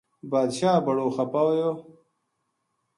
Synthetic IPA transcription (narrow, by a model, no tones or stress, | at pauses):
baːd̪ɕaːbɐɽoxɐpawjo